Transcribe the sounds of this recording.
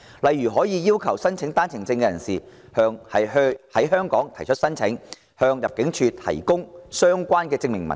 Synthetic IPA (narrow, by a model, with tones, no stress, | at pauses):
lɐ˨jːyː˨˩ɦɔː˨˥jiː˨˧jiː˥wkʰɐ˨˩wsɐ˥nt͡sʰɪ˨˥ŋt̪aː˥nt͡sʰɪ˨˩ŋt͡sɪ˧ŋkɛː˧jɐ˨˩nsiː˨hœː˧ŋhɐ˨jhɐ˨˥jɦœː˥ŋkɔː˨˥ŋt̪ʰɐ˨˩jt͡ʃʰɵ˥t̚sɐ˥nt͡sʰɪ˨˥ŋ | hœː˧ŋjɐ˨p̚kɪ˨˥ŋt͡ʃʰyː˨˧t̪ʰɐ̰˨˩jkʊ˥ŋsœː˥ŋkʷaː˥nkɛː˧t͡sɪ˧ŋmɪ˨ŋmɐ̰˨n